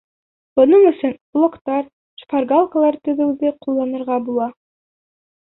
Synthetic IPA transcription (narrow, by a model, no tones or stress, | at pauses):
b̥ŏnɤɴɵ̆sɵnŏlˠŏqt̪ɑɾ | ʃpɑɾɡɑlˠkalˠɑɾt̪ɵ̆ðɘ̆wðɘqulˠːɑnɤ̆ɾʁɑbulˠɑ